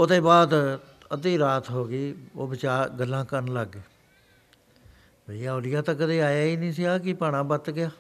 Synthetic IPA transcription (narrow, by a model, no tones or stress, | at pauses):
od̪eːbaːd̪ | əd̪iːɾaːt̪ɦoːɡiːoːbɪt͡ʃaːɾɡəlːãːkənləɡeː | bəijaːoːlɪjãːt̪ãːkəd̪eːaːjaːiːnĩːsɪaːkɪpaːɽ̃ãːbət̪ɡɪjaː